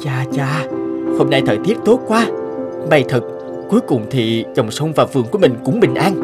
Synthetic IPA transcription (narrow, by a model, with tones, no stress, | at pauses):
t͡ɕaː˧t͡ɕaː˧ho˧mna˧jt̪ʰəː˧˨˩jt̪i˦˥əp̚t̪o˦˥t̚kwaː˧ɓa˨˧˩jt̪ʰɨ˨˩k̚ | ku˨˦əjkʊ˨˩ŋ͡mt̪ʰi˨˩t͡ɕə˨˩wŋ͡msə˧wŋ͡mvaː˨˩vɨ̰˨˧˨əŋku˧˩əmï˨˩ŋ̟kʊ̰˨˧˥ŋ͡mɓï˨˩ŋ̟ʔaː˧n